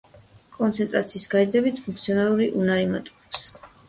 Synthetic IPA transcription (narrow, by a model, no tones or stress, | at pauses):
kʼɔnt̪sʰɛnt̪ʼɾa̰t̪sʰiːsɡaid̪ɛbit̪ʰpʰũŋkʰt̪sʰiɔnalˠuɾiʔunaɾimat̪ʼu̥ɛps